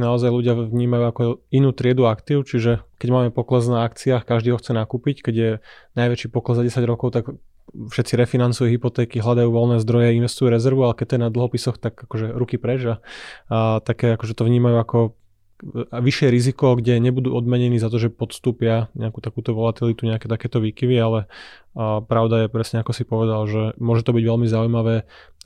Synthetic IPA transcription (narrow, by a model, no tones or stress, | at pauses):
naɔzajluɟɪaʋɲiːmajuːakɔinuːt̪ɾɪɛd̪uakt̪iːʊt͡ʃiʒɛkɛɟmaːmɛpɔklɛznaakt͡siaːkaʒd̪iːɦɔxt͡sɛnakuːpickɛɟjɛnajʋɛt͡ʃiːpɔklɛzːaɟɛsaɟɾɔkɔʊt̪ak | fʃɛt̪t͡siɾɛfinant͡sujuːɦipɔt̪ɛːkiɦlad̪ajuːʋɔlnɛːzd̪ɾɔjɛinʋɛst̪ujuːɾɛzɛɾʋualɛkɛc̚t̪ɔjɛnad̪l̩ˠɦɔpisɔxt̪akakɔʒɛɾukipɾɛd͡ʒa | t̪akɛːakɔʒɛt̪ɔʋɲiːmajuːakɔ | ʋiʃɪɛɾizikɔɡɟɛɲɛbud̪uːɔd̪mɛɲɛniːzat̪̬ɔʒɛpɔt̪st̪uːpɪaɲɛakuːt̪akuːt̪ɔʋɔlat̪ilit̪uɲɛakɛːt̪akɛːt̪ɔʋiːkiʋialɛ | pɾaʊd̪ajɛpɾɛsɲɛakɔsipɔʋɛd̪alʒɛmʊɔʒɛt̪ɔbiɟʋɛlmizaujmaʋɛː